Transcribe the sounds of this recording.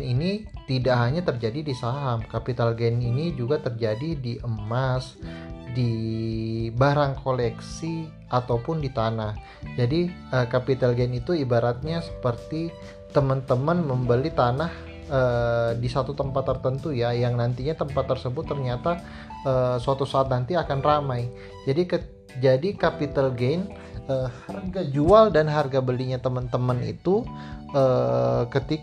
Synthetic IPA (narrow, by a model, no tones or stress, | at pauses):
ninit̪idaʔɦaɲat̪ərd͡ʒadidisaɦamkapit̪alɡɛninid͡ʒuɡat̪ərd͡ʒadidiʔəmasdi | baɾaŋkʰolɛksi | ʔat̪awpʊndit̪anah | d͡ʒadi | əːkapit̪alɡɛnit̪uibaɾat̪̚ɲasə̥pərt̪i | t̪əmənt̪əmənməmbəlit̪anah | əːdisat̪ut̪əmpat̪ːərt̪ənt̪ujajaŋnant̪iɲat̪əmpat̪ːərsəbʊt̪ːərɲat̪a | əːsəat̪usaat̪̚nant̪iakanramaj | d͡ʒadikə | d͡ʒadikapit̪alɡen | əːharɡad͡ʒualdanɦarɡabəliɲat̪əmənt̪əmənḭt̪uəkət̪ik